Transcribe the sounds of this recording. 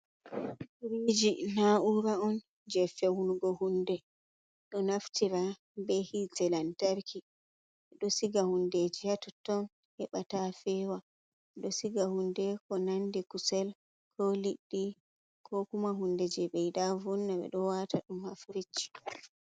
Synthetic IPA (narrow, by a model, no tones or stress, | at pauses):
uɾid͡ʒinaʔuɾaɔn | d͡ʒɛfɛwunɡɔhundɛ | ɗɔnaftiɾa | bɛhitɛlantaɾki | ɓɛɗɔsiɡahunded͡ʒihatɔtɔn | hɛɓatafɛwa | ɓɛɗɔsiɡahundɛkɔnandikusɛl | kʰɔliɗːi | kʰɔkumaɦunded͡ʒɛɓɛjdavɔnːaɓɛ̰ɗɔwatʰaɗumhafɾit͡ʃːi̥